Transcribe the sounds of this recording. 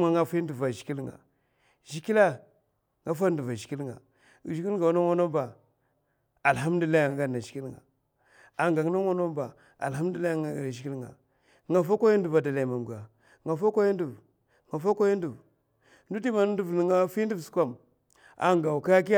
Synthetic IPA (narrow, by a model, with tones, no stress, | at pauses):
a˨ŋa˦fi˦ndu˨va˨ʒi̥˨ki˦lŋa̰˨ | ʒi˦ki˦la˦ | ŋɡa˦fa˦n˦du˨va˨ʒi˨ki˦lŋa̰˨ | ʒi˦ki˦lɡa˨˦na˦ŋo˦no˦mba˨ | a˨lɦa˦m˦di˦a˦ja˨ŋ˦ɡa˦˨na˨ʒi˨˦i˦lŋa̰˨ | a˨ŋɡa˨ŋ˦na˦ŋo˦no˦mba˨ | a̰˨lha˦m˦du˦a˦jʃi˨ki˦lŋa̰˨ | ŋa˨fa˦kʷo˦ja˦ndu˨va˨da˨la˨ma˨m˨ɡa˨ | ŋa˨fa˦kʷo˦ji˦ndu˨v | ŋa˨fa˦ka˦ji˦ndu˨v | ndu˦di˦ma˨n˦ndu˦vn˨ŋa˦fi˦n˦du˦vsu̥˦kʷa˦˨m | a̰˨ŋɡa˨ka˦a˦k̬i˦